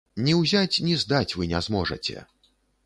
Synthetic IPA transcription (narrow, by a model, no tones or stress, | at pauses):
nʲiwzʲat͡sʲnʲizd̪at͡sʲvɨnʲɛzmɔʐɐ̰t͡sʲɛ̰